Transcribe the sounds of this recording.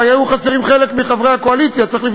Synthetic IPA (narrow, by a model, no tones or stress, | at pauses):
ajejuχaseʁimχele̞kmiχavʁe̞jhakoalit͡sjatt͡sʁiχlif